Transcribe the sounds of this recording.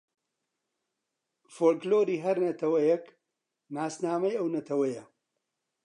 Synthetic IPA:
foːlkloːɾiːɦɐɾnɐt̪ʰɐwɐjɛk | naːsnaːmɐjɐwnɐt̪ʰɐwɐjɐ

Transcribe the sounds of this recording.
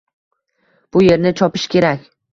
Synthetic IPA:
b̥ʊje̞ɾnɪt͡ʃʰɒpɪʃkʲʰe̞ɾakʲ

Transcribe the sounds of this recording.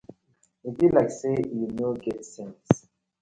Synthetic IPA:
ebilaɪksejunoɡɛtsɛ̃ns

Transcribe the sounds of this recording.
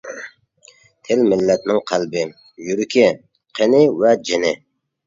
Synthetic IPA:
t̪ʰɪlmɪlːɛt̪nɪŋqʰælbɪ | jyɾykʲʰɪ | qʰenɪvɛd͡ʒɪnɪ

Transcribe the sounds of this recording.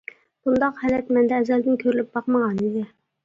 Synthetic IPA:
b̥und̪ɑqhɛlɛt̪mɛnd̪ɛːzɛld̪ɪnkʲʰøɾlyp̚bɑqməʁɑnid̪ɪ

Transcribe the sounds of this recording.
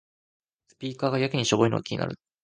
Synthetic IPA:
sɨ̥pʲiːkaːɡajakɯ̟ɲ̟iɕoboino̰ɡa̰kʲiɲḭna̰ɾɯ̟

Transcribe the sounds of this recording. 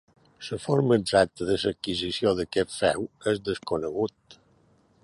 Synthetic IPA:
səfoɾməəːɡzak̚t̪əðəsəkːizisioðəkɛt̪fɛ̰wezðəskunəɣut̪̚

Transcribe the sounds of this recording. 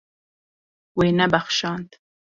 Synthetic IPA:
weːnɛbæxʃɑːnt̪

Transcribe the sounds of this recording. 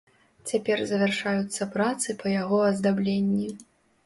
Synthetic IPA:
t͡sʲapʲɛrzɐvʲarʂajut̪sːɐpɾat̪sɨpɐjaɣɔɐzd̪ablʲenʲːi

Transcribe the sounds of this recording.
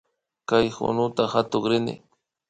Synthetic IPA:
kajxʊ̰nʊt̪ahat̪oχɾɪnɪ̰

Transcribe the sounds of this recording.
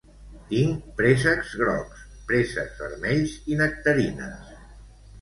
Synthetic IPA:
t̪iŋpɾesəkzɣɾɔ̰ks | pɾesə̰kzβə̰ɾmɛʎzinək̚t̪əɾinə̰s

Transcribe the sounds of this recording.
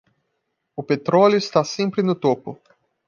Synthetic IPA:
ʊpet̪ɾɔljʊist̪asẽmpɾɪnʊt̪opʊ

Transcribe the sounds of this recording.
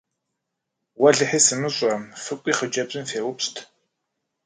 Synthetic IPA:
wɐɮɨħiːsɨmɨɕʷʼɐmfɨkʷʼiːχəd͡ʒʼɐpzʼɨnfeːwʊpstʰ

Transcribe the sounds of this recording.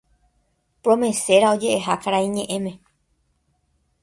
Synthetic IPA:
pɾõ̞mẽ̞se̞ɾao̞d͡ʒe̞ʔeɦakaɾaĩɲẽ̞ʔẽmẽ̞

